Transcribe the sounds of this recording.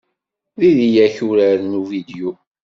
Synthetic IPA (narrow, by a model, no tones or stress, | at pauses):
ðiðijæçuɾəɾnuvid̪ju